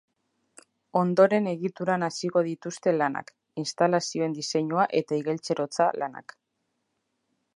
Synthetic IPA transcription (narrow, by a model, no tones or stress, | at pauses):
o̞nd̪o̞ɾe̞ne̞ɣit̪uɾanasiɣo̞ð̞it̪ust̪e̞lana̰k | inst̪alasio̞e̞nd̪ise̞ɲuaʔe̞t̪aiɣe̞lt͡se̞ɾo̞t͡salana̰k